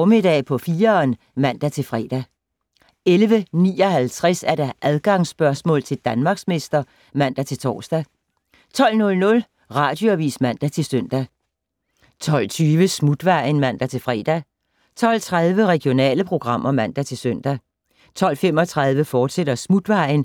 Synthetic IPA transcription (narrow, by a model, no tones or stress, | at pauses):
mid̥ɛ̰ːpʰɒ̽fiːɐn | mæn̰d̥æt͡sʰe̝lfʁɛ̰ːd̥æ | elʋənḭːɒ̽hælt͡sʰʁɛsæɐɾ̥ɑʔæð̞ˠɡ̥ɑ̈ŋsb̥ɶɐsmɔ̰ːlt͡sʰe̝ld̥ænmɑ̈ɡ̥sme̝sd̥ɐ | mæn̰d̥æt͡sʰe̝lt͡sʰɒ̰ːsd̥æ | t͡sʰɒ̽l̰nɔ̽lnɔ̽l | ʁɑ̈ːd̥joæʋḭːsmæn̰d̥æt͡sʰe̝lsøn̰d̥æ | t͡sʰɒ̽l̰t͡sʰyːʋəsmud̥ʋɑ̈ɪnmæn̰d̥æt͡sʰe̝lfʁɛːd̥æ | t͡sʰɒ̽l̰t͡sʰʁað̞ˠʋəʁɛɡ̥jo̝nɛ̰ːləpʰʁo̝ɡ̥ʁɑ̈m̰ɐmæn̰d̥æt͡sʰe̝lsøn̰d̥æ | t͡sʰɒ̽l̰femɒ̽t͡sʰʁɑð̞ˠʋəfɒːd̥seɾ̥ɐsmud̥ʋɑ̈ɪn